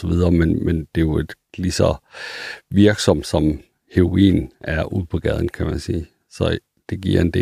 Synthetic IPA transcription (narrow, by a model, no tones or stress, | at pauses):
ɒʋið̞ˠɐːmenmend̥e̝jo̝e̝d̥ | lisɒ | ʋiɐɡ̥sɒ̽m̰d̥sɒ̽m | heʁoḭːnæɐuð̰ˠpʰɒ̽ɡ̥ɛð̞ˠn̩kʰæmænsiː | sɒ̽ | d̥e̝ɡ̥iɐ̰e̝nd̥e̝̰